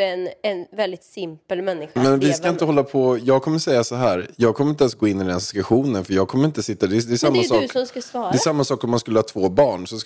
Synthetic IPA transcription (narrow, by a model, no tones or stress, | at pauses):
ɛnɛnvɛld̪ɪt̪sɪmpəlmɛnːɪxamɛnvɪskaɪnt̪əhɔlːapʰɔjɑːɡ̚kʰɔmːəʂɛjːasɔɦæːɾjɑːɡ̚kʰɔmːɾɪnt̪ɛnsɡoːɪnːɪd̪ɛnsɪ̥skʉɧuːnənfœɾjɑːɡ̚kʰɔmːɾɪnt̪əsɪt̪ːad̪ɛd̪ɛsamːasɑːɔmskasvɑːɾd̪ɛsamːasɑːkɔmːanskɵlːəhɑːt̪ʰvoːbɑːɳsɔ